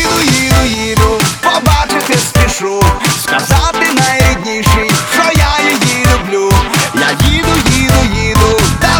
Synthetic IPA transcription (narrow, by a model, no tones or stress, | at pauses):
d̪ʊjid̪ʊjid̪ʊpɔbat͡ʂɪt̪ɪspʲɪʂɔskɐzat̪ɪnajɛd̪ʲɲʲiʂɪjʂɔjajɪjilʲʊblʲujajʲid̪ʊjid̪ʊjid̪ʊt̪a